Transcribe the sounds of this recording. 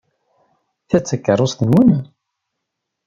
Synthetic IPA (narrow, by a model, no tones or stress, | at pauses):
θæt͡sːækːərˤːosθənwəm